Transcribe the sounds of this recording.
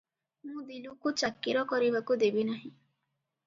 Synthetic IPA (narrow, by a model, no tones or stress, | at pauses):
mũd̪ilukut͡ʃakːiɾɔkɔɾibakud̪ebinaɦĩ